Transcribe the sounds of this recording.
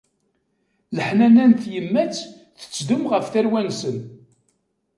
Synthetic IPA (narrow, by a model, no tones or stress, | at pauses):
ləħnænænt̪jəmːæt͡sː | θə̥t͡sːd̪ʊmʁəfθæɾwænsən